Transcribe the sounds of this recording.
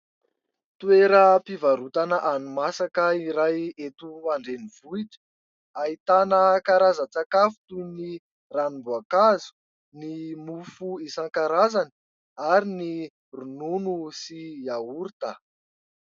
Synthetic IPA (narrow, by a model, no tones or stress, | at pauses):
t̪ueɾəpivaɾut̪anəʔanumasakəiɾajet̪uaɳɖ͡ʐeniv̥uiʈ͡ʂə̥ | ait̪anəkaɾazət͡sakafu̥t̪uni | ranimbuakazu̥ | nimufuisaŋkaɾazani̥ | aɾini | rununusiauɾt̪ə